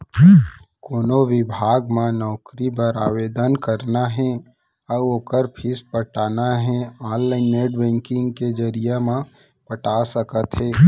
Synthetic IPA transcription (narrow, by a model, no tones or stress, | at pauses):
koːnoʋɪbʱaːɡmãnɔːkɾibəɾaːʋeːd̪ənkəɾnaɦɛ̃ | ɔoːkəɾpʰɪspəʈaːnaɦɛ̃aːnlaɪnːeːɖbɛ̃ːŋkɪ̃ŋɡked͡ʒəɾijamã | pəʈasəkət̪ɦɛː